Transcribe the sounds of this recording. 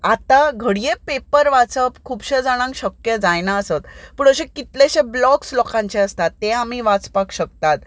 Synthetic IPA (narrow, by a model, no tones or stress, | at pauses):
at̪aɡʱəɽijepepəɾʋat͡səpkʰuːbɕed͡zaɽ̃ãŋkɕəkjəd͡zajnaəsət̪puɽ̃əɕẽkit̪leɕeblɔkslɔkãɲt͡ɕeəst̪at̪ːẽamiːʋat͡spakɕək̚t̪at̪